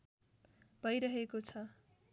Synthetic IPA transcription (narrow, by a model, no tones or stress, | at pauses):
b̥ʱʌjɾʌɦekot͡sʰʌ